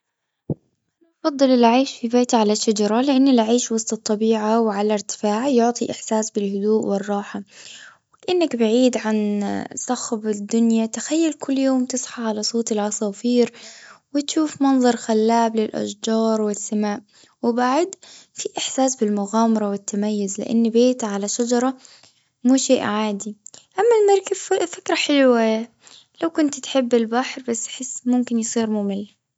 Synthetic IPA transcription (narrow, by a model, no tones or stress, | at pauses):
ʔanaʔɑfɑd̪ˤːɨlɪlʕiːʃfibeːt̪ʕalaʃːad͡ʒɑɾˤɑlɪʔanːɪlʕiːʃwɑsˤt̪ˤɨt̪ˤːɑbiːʕawʕalaɾt̪ɪ̥faːʕjʊʕt̪ˤiʔɪħsaːsbɪlhʊd̪uːʔwɪrˤːɑːħa | kaʔɪnːakbaʕiːd̪ʕansˤɑxbɪd̪ːʊnjat̪ɪ̥xajːalkʊlːjoːmt̪ɨsˤħɑʕalasˤoːt̪ɪlʕɑsˤɑfiːɾwɪt̪ʃuːfmɑnðˤɑɾˤxalːaːblɪlʔa̰ʃd͡ʒɑːɾˤwɪsːamaːʔ | wɪbaʕd̪fiʔɪħsaːsbɪlmʊɣaːmɑɾˤɑwɪt̪ːamajːʊzlɪ̰ʔa̰nːbeːt̪ʕalaʃad͡ʒɑɾˤɑ | muːʃeːʔʕaːd̪iʔamːalmɑɾˤkabfɪkɾˤaħɪlwa | lawkʊnt̪t̪ħɪbːɪlbaħɾbasːḁħɪsːmʊmkɪnjsˤiːɾmʊmɪlː